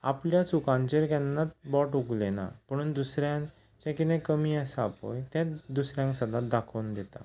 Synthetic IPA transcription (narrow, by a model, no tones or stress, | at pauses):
apljasukãnt͡ɕeɾkjanːat̪bɔʈuɡlena̰pəɽ̃uːnd̪usɾjãŋ | t͡ɕẽkinẽkəmiːəsaapo̰jt̪jãd̪usɾjãŋksəd̪ʱat̪̚d̪akʰənd̪et̪a̰